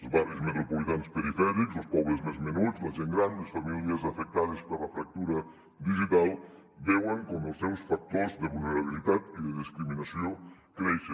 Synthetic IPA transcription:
ozβaɾjozmet̪ɾopolit̪anspeɾifɛɾiksospɔβɾezmezmenuzmazeŋɡɾand̪esfamiljazafek̚t̪aðespaɾlafɾak̚t̪uɾa | d̪iʒit̪al | bewaŋkomosewsfak̚t̪oɾzd̪eβulneɾaβilit̪at̪iðeðiskɾiminasjo | kɾejʃe

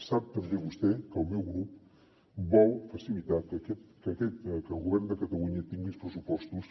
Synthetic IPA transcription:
sap̚t̪əmbeβust̪ɛkəlˠmewɣɾup | bɔwfəsilit̪at̪kəkɛt̪kəkɛt̪kəlˠɣuβɛɾnd̪əkət̪əluɲət̪iŋɡispɾəsupɔst̪us

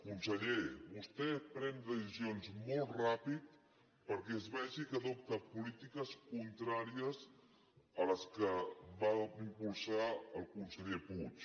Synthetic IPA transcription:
kunsəʎeβust̪ɛpɾɛnd̪əsizionzmolˠt̪rapit̪ | pəɾkɛəzβɛʒikəðop̚t̪əpulit̪ikəskunt̪ɾaɾiəz | ələskəβaimpulˠsaəlˠkunsəʎeput͡ʃ

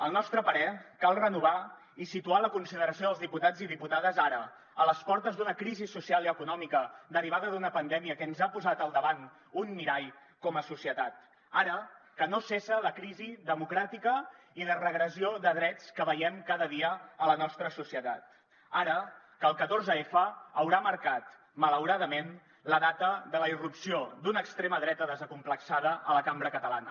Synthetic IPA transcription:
əlˠnɔst̪ɾəpəɾɛkalˠrənuβ̞a | isit̪ualəkunsiðəɾəsioðəlˠzðiput̪ad͡ziðiput̪aðəzaɾə | ələspɔɾt̪əzd̪unəkɾizisusialˠiəkunɔmikəd̪əriβ̞aðəðunəpənd̪ɛmiəkənzapuzat̪əlˠd̪əβan | unmiɾaj | kɔməsusiət̪at̪ | aɾəkənosesələkɾiziðəmukɾat̪ikə | ilərəɣɾəsioðəðɾɛt͡skəβəjɛmkaðəðiəələnɔst̪ɾəsusiət̪at̪ | aɾə | kəlˠkət̪orzəefəːwɾaməɾkat̪ | mələwɾaðəmen | ləðat̪əðələirupsiod̪unəkst̪ɾeməðɾɛt̪əðəzəkumpləksaðəʔələkambɾəkət̪əla̰nə

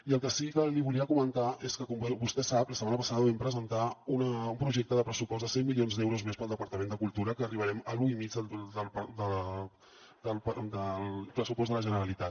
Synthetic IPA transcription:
iəlˠkəsikəliβ̞uliəkumənt̪aʔeskəkɔmbbust̪ɛsapləsəmanəpəsaðəβɛmpɾəzənt̪aunəumpɾuʒɛk̚t̪əðəpɾəsupɔzðəsɛŋmilijonzd̪ɛwɾuzmespəlˠd̪əpəɾt̪əmend̪əkulˠt̪uɾəkəːriβəɾɛməluimid͡zəd̪əlpd̪ə | d̪əld̪əlpɾəsupɔsz̬d̪ðələʒənəɾəlit̪at̪̚

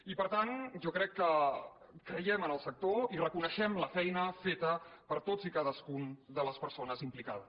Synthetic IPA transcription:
ipəɾt̪anʒɔkɾɛkːə | kɾəjɛmənəlˠsək̚t̪oirəkunəʃɛmləfɛjnəfet̪əpəɾt̪od͡zikaðəskund̪ələspəɾsonəzimplikaðə

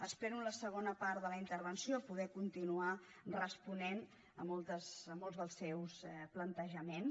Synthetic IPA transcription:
əspɾɛnuləsəɣ̞onəpaɾðələint̪əɾβənsiopuðɛkunt̪inua | rəspunen | əmɔlˠt̪əsəmɔlˠzðəlˠsɛwsplənt̪əʒəmen

